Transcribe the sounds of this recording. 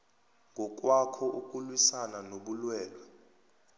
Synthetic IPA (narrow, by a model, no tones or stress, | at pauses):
ŋɡʱɔk̬ʼwakʰɔʔuk̬ʼulwisananoɓulwɛːlwɛ